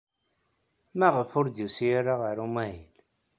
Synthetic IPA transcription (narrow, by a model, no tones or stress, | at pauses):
mæʁəfʊɾd̪jusiɾaʁəɾumæjil